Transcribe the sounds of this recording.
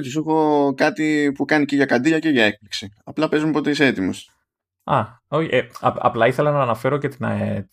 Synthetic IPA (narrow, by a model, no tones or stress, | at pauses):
oçis̬exo̞kɐt̪ipukɐnice̞ʝɐkɐd̪iʎɐce̞ʝɐe̞k̚pliksiɐplɐpe̞zmuepo̞t̪eiseet̪imos | ɐ | oçieɐ̰ɐ̰plɐiθelɐnɐːnɐfe̞ɾo̞ce̞t̪inɐ̰et̪